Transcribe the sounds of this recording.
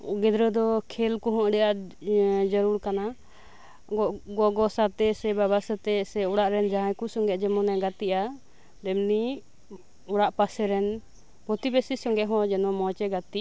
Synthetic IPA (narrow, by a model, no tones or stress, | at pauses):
ɡɛd̪ɾəd̪ɔkʰɛlkuɦɔ̃ʔɖɛʔa | d͡ʒəɾuɾkana | ɡɔɡɔsat̪ɛsɛbɛβasat̪ɛsɛuɽaʔɾɛnd͡ʒãjkusɔŋɡɛʔd͡ʒɛmɔnɛɡat̪iʔa | d̪ɛmni | uɽaʔpasɛɾɛn | bʱɔt̪ibesisɔŋɡɛʔɦɔ̃d͡ʒɛnɔmɔt͡ʃɛɡat̪i